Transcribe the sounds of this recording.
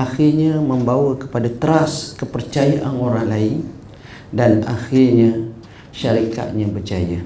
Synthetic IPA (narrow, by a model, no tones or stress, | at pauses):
axirɲaməmbawəkə̥padat̪əɾaskəpərt͡ʃajaʔanoɾaŋlaɪn | danaxirɲa | ʃaɾika̰t̪̚ɲãbərt͡ʃaja